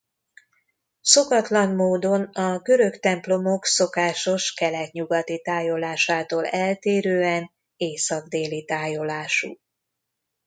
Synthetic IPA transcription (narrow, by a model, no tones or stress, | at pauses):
so̞kɒt̪lɒnmoːd̪o̞nɒɡø̞ɾø̞kt̪ɛmplo̞mokso̞kaːʃo̞ʃkɛlɛt̪ɲuɡɒt̪it̪aːjo̞laːʃaːt̪oːlɛlt̪eːɾøːɛn | eːsɒɡd̪eːlit̪aːjo̞laːʃṵ